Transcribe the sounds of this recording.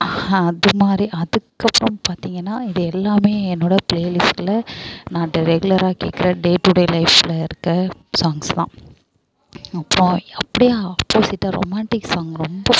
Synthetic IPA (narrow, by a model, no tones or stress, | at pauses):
ɐðɯmaːd̪ɾiʔɐðɯkːɐpːɯɾɔ̃mpaːɾt̪iːŋɡɐnːaːɪðɯɛlːaːmeːɛnːoːɽɐpleːlɪsʈɪlɐnãːʈːɐɾɛɡʊlɐɾaːkḛːkːɪɾɐɖeːʈʊɽelɐɪfɪlɐɪɾɯkːɯsaːŋɡst̪ã̰ː | ɐpːɾõɐpːɐɽɪjaːɐpːoːsɪʈːaɾo̰maːɳʈɪkːsaːŋɡɾɔmbɐ